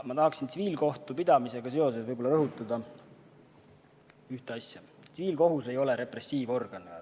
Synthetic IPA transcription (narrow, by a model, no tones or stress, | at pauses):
mɑt̪ɑɦɑksint̪siviːlko̞ht̪upid̪̥ɑmise̞ɡ̥ɑse̞o̞s̬e̞svɤjbolːɑɾɤɦut̪ˑːɑd̪̥ɑ | yht̪eɑsʲjɑ | siviːlko̞ɦuse̞jo̞le̞ɾe̞pre̞sːiːvo̞rɡ̥ɑn